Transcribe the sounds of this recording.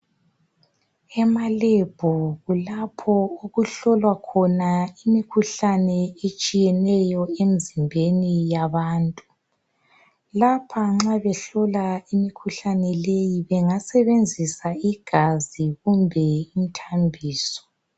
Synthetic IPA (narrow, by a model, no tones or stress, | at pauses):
ɛmaleb̥ʱɔɣulapʰɔoɣuɬɔlwakʰɔnaimikʰuɬanɛet͡ʃʼijɛnɛjɔem̩zimbʱenijaβaːntʼu | lapʰaŋ͡ǁaβɛɬɔlaimikʰuɬanɛlejiβɛŋasɛβend͡zʱisaiɡ̥ʱaziɣumbʱɛim̩tʰambʱiːsɔ̥